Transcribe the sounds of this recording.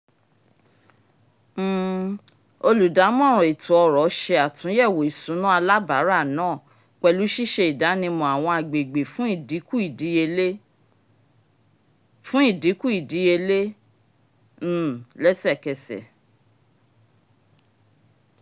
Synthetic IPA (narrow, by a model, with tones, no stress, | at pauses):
o˧lu˨da˨˦mɔ̃˦˨ɾ̃ɔ̃˨i˨tũ˨˦ɔ˧ɾɔ˨˦ʃe˧a˨tũ˨˦jɛ˦˨wo˨i˨sũ˨˦nũ˦a˧la˦ba˨˦ɾa˦˨nãː˦˨ | k͡pɛ˧lu˨˦ʃi˦ʃe˧i˨da˨˦nĩ˧mɔ̃˨a˨w̃ɔ̃˧a˨ɡ͡be˨ɡ͡be˨fũ˦i˦˨di˨˦ku˦i˨di˨˦e˧le˦ | fũ˦i˦˨di˨˦ku˦i˨di˨˦e˧le˦˨ | lɛ˦sɛ˦˨kɛ˧sɛ̰˨